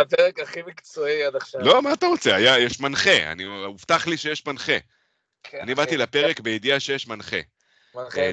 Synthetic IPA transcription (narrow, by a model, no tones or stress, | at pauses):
apeʁekaχimikt͡soiad̪aχʃalo̞maːt̪aʁo̞t͡se̞ajajɛʃmanχea̰niuft̪aχliʃe̞jeʃpanχe | anibat̪ilapeʁekbeid̪iaʃe̞jeʃmanχe̞̰